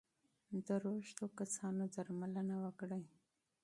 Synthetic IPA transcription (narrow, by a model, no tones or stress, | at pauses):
d̪əɾoʃt̪okasɑnod̪aɾmalənawəkɽaj